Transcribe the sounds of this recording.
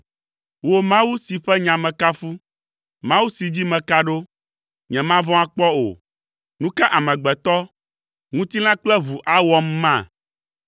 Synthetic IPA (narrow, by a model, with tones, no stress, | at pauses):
wo˦mã˦wu˦si˨ɸɛ˦ɲã˨mɛ̃˨ka˦fu˦ | mã˦wu˦si˨d͡ʑi˦mɛ̃˨ka˦ɖo˦ | ɲɛ̃˨mã˦vɔ̃˦a˦k͡pɔ˦o̰˨ | nũ˦ka˦ʔa˨mɛ̃˨ɡ͡bɛ˨t̪ɔ˦ | ŋũ˦t̪i˦lã˦k͡plɛ˦βu˨ʔa˦wɔ˦m̩ː˦ã˦˨